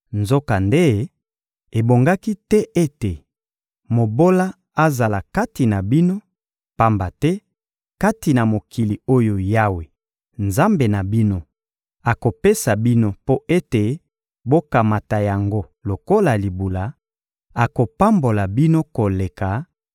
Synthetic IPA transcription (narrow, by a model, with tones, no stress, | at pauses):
nzo˦ka˨nde˦ | e˨bo˨ŋɡa˦ki˦tɛ˦ʔe˦te˨ | mo˨bo˦la˦ | a˦za˨la˨ka˦ti˨na˨bi˦no˦ | pa˦mba˨tɛ˦ | ka˦ti˨na˨mo˨ki˨li˨o˦jo˨ja˦we˨ | nza˦mbe˨na˨bi˦no˦ | a˨ko˨pe˦sa˨bi˦no˦po˦ʔe˦te˨ | bo˦ka˨ma˨ta˨ja˨ŋɡo˦ | lo˨ko˦la˨li˨bu˨la˨ | a˨ko˨pa˦mbo˨la˨bi˦no˦ko˨le˨ka˨